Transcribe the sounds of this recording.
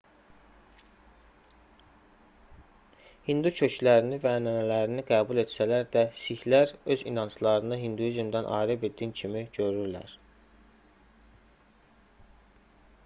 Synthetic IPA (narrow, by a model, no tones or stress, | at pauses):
hind̪ucʰø̞cʰlæɾinivænænælæɾiniɡæːbule̞t̪sælæɾd̪æsiçlæɾø̞zḭnɑnt͡ʃlˠɑɾɯnɯɦind̪ujizmd̪ænʔɑ̰ːɾebed̪ːincʰimiɟø̞ɾyɾlæ̰ɾ̥